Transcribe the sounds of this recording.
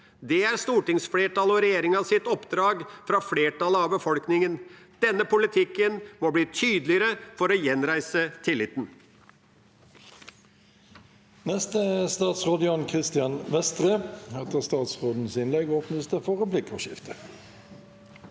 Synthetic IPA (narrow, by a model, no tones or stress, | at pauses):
d̪ɛæɾst̪uːʈɪŋsfleːʈɑlɔɾɛjeːɾɪŋɑsɪt̪ɔpd̪ɾɑːɡfɾɑfɽeːʈɑləɑʋbəfɔlknɪŋənd̪̥ɛnːəpʊlɪt̪ʰɪkːənmɔbliːt̪ʰyːd̪əlɪəɾəfɔɾɔjɛnɾæɪsət̪ʰɪlːɪt̪n̩ | nɛst̪əst̪ɑːt̪sʁoːd̪ɪɔnkʰʁɪst̪ɪɑnʋɛst̪ʁeːhɛt̪əʁst̪ɑːt̪sʁoːd̪n̩sɪnlɛɡɔːpnəsd̪ɛfɔʁəblɪkʰɔ̰ʃɪft̪ə